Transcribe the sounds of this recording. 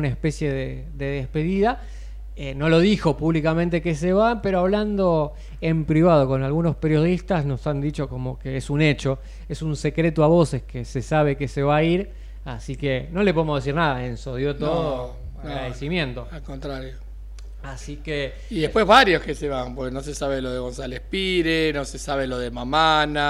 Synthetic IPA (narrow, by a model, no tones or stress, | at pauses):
naespe̞sjeðe | ðe̞ðespe̞ðiða | eno̞lo̞ðixo̞puβlikamẽnt̪ekes̬eβape̞ɾoaβland̪o̞ | e̞mpɾiβað̞o̞ko̞nalɣuno̞spe̞ɾjo̞ðist̪asno̞sand̪it͡ʃo̞ko̞mo̞keesune̞t͡ʃo̞ | esunse̞kɾe̞t̪oaβo̞seskesesaβ̞e̞keseβaiɾ | asikeno̞lep̬o̞ðemoðe̞siɾnaðaensoðjot̪oðo | aɣɾaðesimjẽ̞nt̪o̞alkont̪ɾaɾjo | asike | iðepwezβaɾjo̞skeseβampoɾkenosesaβeloðeɣo̞nsalehpiɾenosesaβeloðemamana